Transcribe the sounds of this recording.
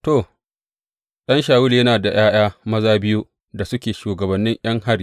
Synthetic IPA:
toː˨ | ɗɐ˦nʃaː˨wʊ˦ljɐ˦naː˨da˨j̰aː˦j̰aː˦mɐ˦zaː˦bɪ˦ju˦ | da˨sʊ˦kʲeː˨ʃuː˨ɡɐ˨bɐ˨nːɪ˦ɲj̰ʔɐ˦ŋha˦ɾiː˨

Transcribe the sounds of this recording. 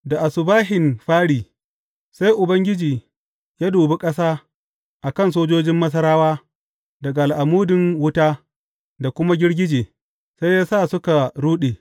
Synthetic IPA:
da˨ʔa˨sʊ˨baː˦ɦɪ˨nɸaː˦ɽiː˨ | sa˦jʔʊ˨bɐ˦ŋɡʲɪ˦d͡ʒiː˨ | jaː˦duː˨be˦kʼɐ˦saː˦ | ʔa˨kɐ˦nsoː˦d͡ʒoː˦d͡ʒɪ˦mːɐ˦s̬ɐ˦ɾaː˦waː˦ | dɐ˨ɡa˨ʔa˨lʔa˨muː˦dɪ˨ŋwʊ˦taː˦ | da˨kʷʊ˦ma˦ɡʲɪ˦ɽɡʲɪ˦d͡ʒeː˨ | sa˦jjaː˦saː˦˨sʊ˦ka˨ɽuː˦ɗeː˨

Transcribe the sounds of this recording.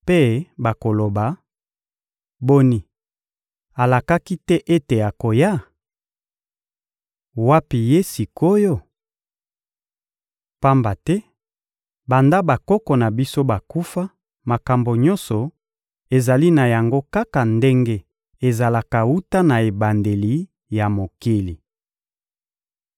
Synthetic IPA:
pe˦ba˨ko˨lo˨ba˨ | bo˦ni˨ | a˨la˨ka˦ki˦tɛ˦ʔe˦te˨ja˨ko˨ja˦ | wa˦pi˨je˦si˨ko˦jo˦ | pa˦mba˨tɛ˦ | ba˨nda˦ba˨kɔ˦kɔ˨na˨bi˦so˦ba˨ku˦fa˦ | ma˨ka˨mbo˨ɲɔ̃˦nsɔ˨ | e˨za˨li˦na˨ja˨ŋɡo˦ka˦ka˨nde˦ŋɡe˦ | e˨za˨la˨ka˨wu˦ta˦na˨e˨ba˨nde˨li˨ | ja˨mo˨ki˦li˨

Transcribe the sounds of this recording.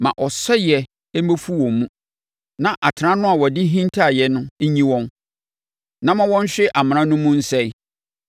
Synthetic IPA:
mã̰˨ʔɔ˨sɛ˦jɛ˨ | ɛ˦m˦e˦fu˦wɔ̃˨mmũ˦ | nã˨ʔa˨tʰɪ˨ɾã˦nʊ̃˦a˨wɔ˨dɪ˦ɦĩ˦ntʰa˦˨jɛ˨nʊ̃˦ɲĩ˦wɔ̃˦n | nã˨mã˦wɔ̃˦n˦ɕᶣɪ˦ʔa˨m̃˨ɾ̃ã˦nʊ̃˦mũ˦n̩˦sɛ˦j

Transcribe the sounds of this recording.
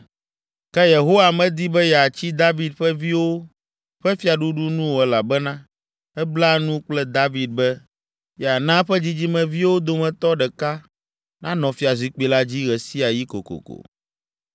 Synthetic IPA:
kɛ˦je˨ɦo˦wa˨mɛ̃˨d̪i˦bɛ˦jɛ˨a˨t͡ɕi˦d̪a˦vi˨d̪ɸɛ˦vi˦wo˦ | ɸɛ˦fi˦a˨ɖu˦ɖu˦nũ˦wo˨ɛ˨˦la˨bɛ˦nã˦ | ɛ˦bla˦nũ˦k͡plɛ˦d̪a˦vi˨d̪̚bɛ˦ | jɛ˨a˨nã˦ɸɛ˦d͡ʑi˦d͡ʑi˦mɛ̃˨vi˦wo˦d̪o˦mɛ̃˨t̪ɔ˦ɖɛ˨ka˦ | nã˦nɔ̃˨fi˦a˨zi˨k͡pi˨la˦d͡ʑi˦ɣɛ˨si˦a˨ji˦ko̰˨ko̰˨ko̰˨

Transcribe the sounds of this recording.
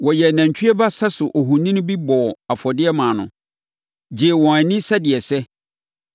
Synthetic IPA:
wɔ˨jɛ˨næ̃˨ɲ˨t͡ɕᶣʰɥɛ˦ba˦sɛ˦sʊ˨ʔo˨ɦũ˨nĩ˦nʊ̃˦bi˦bɔ˨a˨fɔ˨dɪ˦ɛ˦mãː˨nʊ̰̃˨ | d͡ʑi˨wɔ̃˨æ˨nĩ˦sɛ˦dɪ˨ɛ˨sɛ˦

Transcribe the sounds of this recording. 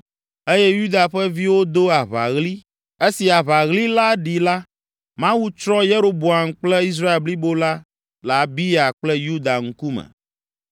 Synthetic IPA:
e˦jɛ˦ju˦d̪a˨ɸɛ˦vi˦wo˦d̪o˦a˨βa̰˨ɣli˦ | e˦si˨a˨βa˨ɣli˦la˦ɖi˨la˦ | mã˦wu˦t͡ʃɾɔ̃˦je˦ɾo˦bo˨a˨m˨k͡plɛ˦i˦s̬ɾa˦e˨lbli˦bo˦la˦ | la˨bi˦a˨k͡plɛ˦ju˦d̪a˨ŋ̩˦ku˦mɛ̰˨

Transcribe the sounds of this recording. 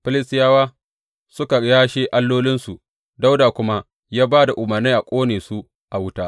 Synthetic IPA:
ɸɪ˦lɪ˦stɪ˦jaː˦waː˦ | sʊ˦ka˨jaː˦ʃeː˦ʔa˦lːoː˦lɪ˦nsu˨ʔ | da˦wdaː˨kʷʊ˦ma˦ | jaː˦baː˦da˨ʔʊ˨mɐ˨rni˦ʔa˨kʷʼoː˦neː˨su˦ʔ | ʔa˨wʊ˦taː˦

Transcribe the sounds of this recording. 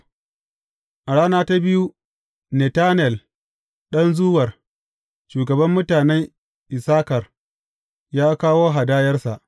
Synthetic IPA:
ʔa˨ɽaː˦naː˦ta˦bɪ˦ju˦ | nɛ˨taː˦nɛ˨l | ɗɐ˦nzʊː˦wɐ˨r | ʃuː˨ɡɐ˨bɐ˦mːʊ˦taː˨nɛ˦ŋ | ʔɪ˨saː˦kɐ˨r | jaː˦kaː˦woː˦ɦa˨daː˦jɐ˦rsa˨ʔ

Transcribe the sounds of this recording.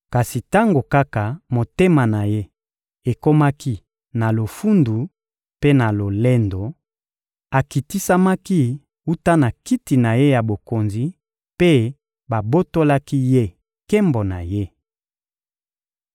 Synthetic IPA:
ka˨si˨ta˦ŋɡo˨ka˦ka˨mo˨te˦ma˨na˨je˦ | e˨ko˦ma˦ki˦ | na˨lo˨fu˦ndu˨ | pe˦na˨lo˨le˦ndo˨ | a˨ki˨ti˦sa˦ma˦ki˦ | u˦ta˦na˨ki˦ti˨na˨je˦ja˨bo˨ko˨nzi˨ | pe˦ | ba˨bo˦to˦la˦ki˦je˦ | kɛ˦mbo˨na̰˨je˦

